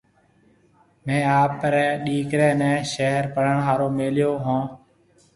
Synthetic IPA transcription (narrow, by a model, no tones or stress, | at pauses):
mẽːaːpɾɛːɗiːkɾɛ̃ːnɛ̃ːʃeɦəɾpəɽ̤əɳɦaːɾoːmeːljoːɦãː